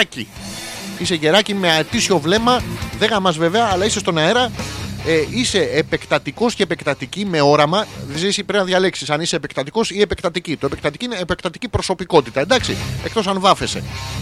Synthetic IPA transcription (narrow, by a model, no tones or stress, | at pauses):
ci | ise̞ʝe̞ɾɐcime̞ɐt̪isio̞vle̞mɐðe̞ɣɐmɐzve̞ve̞ɐːlɐisest̪onɐeɾɐeise̞ːpe̞kt̪ɐt̪iko̞sceːpe̞kt̪ɐt̪icime̞o̞ɾɐmɐzisipɾinɐðʝɐle̞ksisɐnise̞ːpe̞kt̪ɐt̪iko̞sie̞pe̞kt̪ɐt̪icit̪oepek̚t̪ɐt̪iciineːpekt̪ɐt̪icipɾo̞so̞piko̞t̪it̪ɐed̪ɐksie̞k̚t̪o̞sɐnvɐfe̞se̞̰